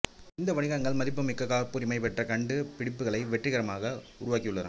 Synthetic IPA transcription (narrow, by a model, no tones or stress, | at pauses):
ɪnd̪ɐʋɐɳɪɣɐŋɡɐɭmɐðɪpːɯmɪkːɐkːaːɾpːuːɾɪmɐɪpɛʈrɐkɐɳɖɯpɪɽɪpːɯɣɐɭɐɪʋɛʈrɪɣɐɾɐmaːɣɐʊɾʊʋaːkːɪjɯɭːɐɾa̰ː